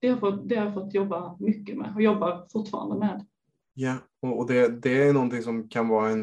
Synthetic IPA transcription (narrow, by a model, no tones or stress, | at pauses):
d̪̥ɛhaɾfɔt̪d̪ɛhaɾjafɔt̪ːjɔbːamʏkːəmɛ̰ːɔjɔbːafʊʈːfɑ̰ːɾa̰nd̪əmɛːd̪ | ja | ɔːd̪ɛd̪ɛæɾjnɔnt̪ɪŋsɔmkʰanvɑːɛn